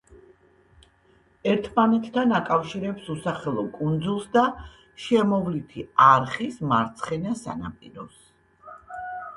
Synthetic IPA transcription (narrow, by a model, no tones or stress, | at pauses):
ɛɾt̪ʰmanɛt̪ʰːanakʼafʃiɾɛpsusaχɛlˠɔkʼund̪zulˠsd̪a | ʃɛmɔvlit̪ʰiaɾχismaɾt̪sʰχɛnasa̰na̰pʼḭɾɔs